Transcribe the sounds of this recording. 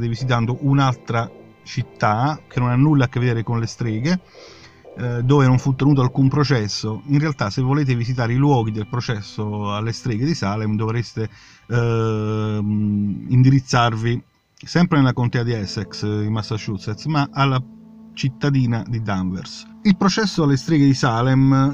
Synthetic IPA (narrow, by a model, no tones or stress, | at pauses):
t̪evisit̪̬and̪oʔunalt̪ɾa | t͡ʃit̪ːakʰenonanːulːakːevːed̪eːɾekonlest̪ɾeːɡe | d̪oːvenoɱfut̪ːenuːt̪̬oalkumpɾot͡ʃɛsːoinrealt̪asevːoleːt̪̬evisit̪̬aːɾilwɔːɡ̟id̪elpɾot͡ʃɛsːoalːest̪ɾeːɡed̪isaːlɛmd̪ovɾest̪e | ind̪iɾit̪sːarvi | sɛmpɾenelakont̪ɛːad̪iɛsɛksd̪imasːaʃut̪sɛt̪smaʔalːa | t͡ʃit̪ːad̪iːnad̪id̪aɱvɛ̰ɾs | ilpɾot͡ʃɛsːoalːest̪ɾeːɡed̪isaːlɛm